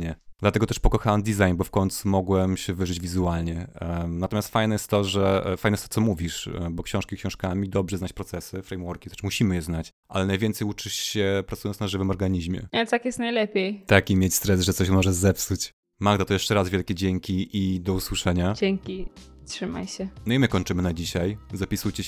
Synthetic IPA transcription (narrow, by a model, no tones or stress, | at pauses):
ɲɛd̪lat̪ɛɡɔt̪ɛʂpɔkɔxawamd̪ʲizajnbɔfkɔɲt̪sumɔɡwɛmɕɛvɘʐɘd͡ʑvʲizualɲɛnat̪ɔmʲast̪fajnɛjɛst̪ːɔʐɛfaj̪ɛjɛst̪ɔtsɔmuvʲiʂbɔkɕɔ̃w̃ʂkʲikɕɔ̃w̃ʂkamʲid̪ɔbʐɛznat͡ɕpɾɔt̪sɛsɘfɾɛjmwɔɾkʲi̥t̪ɛ̥ʂmuɕimɘjɛznat͡ɕ | ʔa̰lɛnajvʲjɛnt̪sɛjut͡ʂɘɕɕɛpɾat̪sujɔnsnaʐɘvɘmɔɾɡaɲiʑmʲjɛ̰at̪akjɛst̪najlɛpʲjejt̪akimʲjet͡ɕst̪ɾɛsʐɛt̪sɔɕ̬mɔʐɛzɛpsut͡ɕ | maɡd̪at̪ɔjɛʂt͡ʂɛɾazvʲɛlkʲɛd͡ʑeŋʲkʲiʔid̪ɔuswɨʂɛɲad͡ʑeŋkʲi | tʂɘma̰jɕɛnɔimɘkɔɲʲt͡ʂɘmɘnad͡ʑiɕajzapʲisujt͡ɕɛ